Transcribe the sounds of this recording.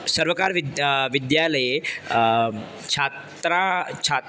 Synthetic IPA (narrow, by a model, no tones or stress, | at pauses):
səɾʋəkaɾʋid̪ʋid̪jaləje | t͡ʃʰat | ɾat͡ʃʰa